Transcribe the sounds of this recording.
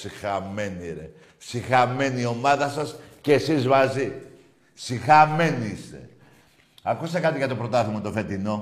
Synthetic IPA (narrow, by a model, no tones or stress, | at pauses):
sixɐme̞niɾḛ | sixɐme̞nio̞mɐðɐsɐsceːsizmɐzi | sixɐme̞niist̪e̞̰ | ɐkust̪ekɐt̪iʝɐt̪opɾo̞t̪ɐθimet̪o̞fe̞t̪ino̞